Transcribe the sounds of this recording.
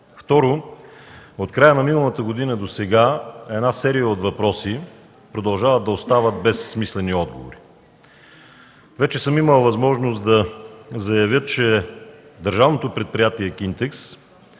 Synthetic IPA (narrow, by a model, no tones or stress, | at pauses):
ft̪ɔɾo | ot̪kɾajənɐminəlˠət̪əɡod̪inəd̪osɛɡaɛd̪nasɛɾijəot̪vɐpɾɔsi | pɾod̪ɐlˠʒavəd̪̚d̪ɐost̪avət̪bɛsːmislɛniɔd̪̚ɡo̰vo̰ɾi | vɛt͡ʃɛsɤmiməlˠvɐzmɔʒnosd̪ɐzɐjɐvʲjət̪t͡ʃɛd̪əɾʒavnot̪opɾɛt̪̚pɾʲijat̪iɛkint̪ɛks